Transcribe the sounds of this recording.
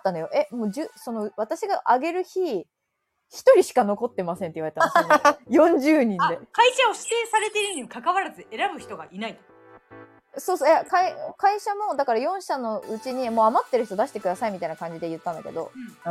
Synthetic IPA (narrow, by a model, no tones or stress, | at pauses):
t̪ːano̞jo̞ʔe̞moːd͡ʑɨːso̞no̞βat̪aɕiɡaʔaɡe̞ɾɯ̟çi | çi̥t̪o̞ɾʲiɕi̥kano̞ko̞t̪ːe̞masent̪eiβaɾead̪sjonjõ̞ɲ̟d͡ʑɨːɲ̟ĩnd̪e̞kaiɕaoɕi̥t̪e̞ːsaɾe̞t̪eɾɯɲikakaβaɾazɨe̞ɾabɯ̟çi̥t̪o̞ɡa̰ʔinait̪o | soːsojakaikaiɕamo̞d̪akaɾajõ̞ɰ̃ɕano̞ɯ̟t͡ɕiɲ̟imo̞ːamat̪ːe̞ɾɯ̟çi̥t̪o̞d̪aɕi̥t̪e̞kɯd̪asaimit̪ainakãɲ̟d͡ʑid̪e̞jɯ̟t̪ːãnd̪ake̞̰d̪o̞̰